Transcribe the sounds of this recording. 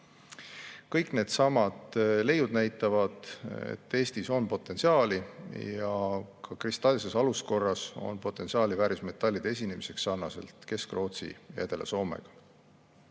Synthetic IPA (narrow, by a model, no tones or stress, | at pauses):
kɤjkne̞ːd̪̥sɑmɑd̪̥le̞jːud̪̥næjt̪ːˑɑvɑd̪̥ḛt̪ːe̞ːst̪iso̞npo̞t̪ːˑe̞nsiɑːlijɑkʰɑkrist̪ɑlʲse̞sɑlusko̞rːɑso̞̰npo̞t̪ːˑe̞nsiɑːlivæːɾisme̞t̪ːˑɑlʲːid̪̥e̞s̬ʲine̞mise̞ksːɑrnɑse̞̰lt̪ke̞skro̞ːt̪sḭjʔæ̰d̪̥e̞lʔḛso̞ːme̞̰ɡ̥ɑ̥